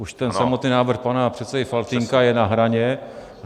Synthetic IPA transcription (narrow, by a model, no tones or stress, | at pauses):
ʔuʃt̪ɛnsamo̞t̪niːnaːvr̩xpanapr̝̥ɛt̪t͡sɛdɪfalt̪iŋkajɛnaɦɾaɲɛ